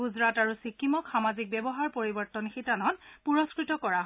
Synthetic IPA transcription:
uzɹataɹusikʰːimɔkxamazik̚bɛbɔɦaɹpoɹibɔɹtɔnxitanɔtpuɹɔskɹitɔkɔɹaɦ

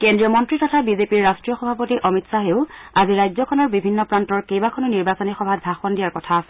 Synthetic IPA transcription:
kendɹiɔmɔntɹitɔtʰabizepiɹːastɹijɔxɔbʱapotiʔɔmitsaɦeʊaziɹajzɔkʰɔnɔɹbibʱinːɔpɹantɔɹkejbakʰɔnʊniɹbasɔnixɔbʱat̚bʱaxɔndijaɹkɔtʰasɛ

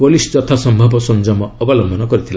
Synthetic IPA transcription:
polisd͡ʒɔt̪ʰasɔmbʱɔbɔsɔnd͡ʒɔmɔɔbɔlɔmbʱɔnɔkɔɾit̪ʰil

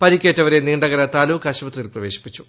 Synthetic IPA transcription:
pɐɾikʲːeːtːɐʋɐɾeniːɳɖɐɣɐɾɐt̪aːluːkːɐɕɐpɐt̪rijilprɐʋe̞ːɕi̥pːit͡ɕːu̥

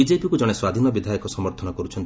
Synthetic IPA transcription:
id͡ʒepikud͡ʒɔɽ̃eswad̪ʱinɔbid̪ʱajɔkɔsɔmɔɾt̪ʰɔnɔkɔɾut͡ʃʰɔnt̪

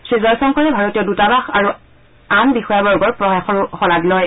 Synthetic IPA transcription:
sɹizɔɹsɔŋkɔɹɛbʱaɹotijɔdutabaxaɹu | anbixɔjabɔɹɡɔɹpɹɔjaxɔɹxɔladlɔj

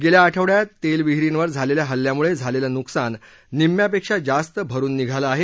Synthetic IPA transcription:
ɡeljaːʈʰəʋɽjat̪elʋiɦɾinʋəɾd͡zʱaleljaɦəljamuɭed͡zʱaleljanuksanː | imjapekʂad͡zast̪əbʱəɾuːnːiɡʱaləaɦe

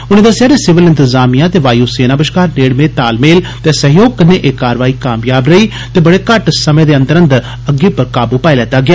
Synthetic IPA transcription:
ʊñẽːd̪əsejaːɾesɪʋəlɪnt̪əzaːmijãːt̪eːʋaːjuːseːnaːbəʃkaːɾneːɽmeːt̪aːlmeːlt̪eːsəɦjoːɡ̚kəneːʔeːkaːɾʋaːiːkaːmjaːbɾəiː | t̪eːbəɽeːkəʈsəmẽːd̪eːə̃nd̪əɾə̃nd̪ | əɡːeːpəɾkaːbuːpaːilɛːt̪aːɡɪjaː

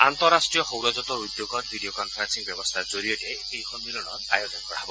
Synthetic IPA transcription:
antɔɹastɹijɔxowɹɔzɔtɔɹud̪joɡɔt̚bʱidijokɔnpʰɹansiŋbɔbɔst̪ʰazoɹijɔtɛ | ejkʰɔnmilɔnɔ̰ta̰jɔtɔnkɔɹa̰ɦbɔ

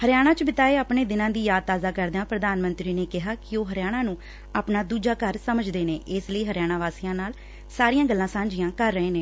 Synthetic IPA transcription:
həɾɪjaːɽ̃ãːt͡ʃbɪt̪aːeːaːpɳeːd̪ɪnãːd̪iːjaːd̪̚t̪aːzaːkəɾd̪ãːpɾəd̪aːnmə̃nt̪ɾiːneːkɪɦaːkɪoːɦəɾɪjaːɽ̃ãːnũː | aːpnaːd̪uːd͡ʒaːkəɾsəməd͡ʒd̪eːneːʔɪsləiːɦəɾjaːɽ̃ãːʋaːsiːãːnaːl | saːɾijãːɡəlːãːsãːɲd͡ʒɪjãːkəɾːəẽːnẽː

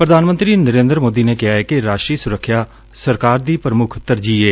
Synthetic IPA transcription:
pɾəd̪ʱaːnmənt̪ɾiːnəɾẽːnd̪ɾmoːd̪iːneːkɪɦaːɛːkɪɾaːʃtɾiːsʊɾəkʰːjaː | səɾkaːɾd̪iːpəɾəmʊkʰt̪əɾd͡ʒiːeː

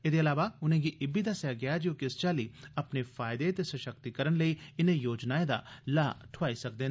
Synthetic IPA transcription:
eːd̪eːəlaːʋaːʊnẽːɡiːʔɪbiːd̪aːsɛaɡɪjad͡ʒoːkɪst͡ʃaːliːəpneːfʰaːɪd̪et̪esəʃək̚t̪ikəɾənləiːɪnẽːjoːd͡ʒnaːẽd̪a̰ːlaːʈʰʊʋaːisək̚d̪eː

